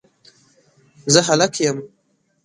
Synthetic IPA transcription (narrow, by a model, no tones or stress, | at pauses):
zəɦalakʰjəm